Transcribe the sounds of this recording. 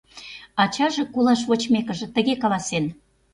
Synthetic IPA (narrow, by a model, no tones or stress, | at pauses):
ɑt͡ɕɑʒĕkulɑʃβot͡ɕmekə̆ʒĕt̪ə̆ɣekɑlɑsen